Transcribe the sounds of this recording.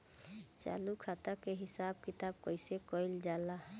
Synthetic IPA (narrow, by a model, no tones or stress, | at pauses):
t͡ʃa̰lukʰat̪akeɦisab̚kit̪ab̚kɔjsekɔjld͡ʒala